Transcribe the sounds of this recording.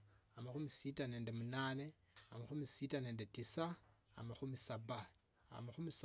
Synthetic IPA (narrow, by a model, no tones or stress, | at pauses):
amaxumisitaneːndemunaːne | amaxumisitaneːndetisa | a̰maxumisaba | a̰maxumis